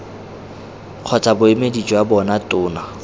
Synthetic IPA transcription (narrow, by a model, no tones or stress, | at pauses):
q͡χʰɔt͡sʼabʊɪmedit͡ʃʼɔabɔnatʼʊːna